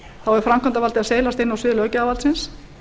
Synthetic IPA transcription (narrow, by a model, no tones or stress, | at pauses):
θawɛɾʏ̥fɾamkʰant̪avalt̪ɪaseːjlast̪ɪnːawsɪðʏlœːcʏavalt̪sɪns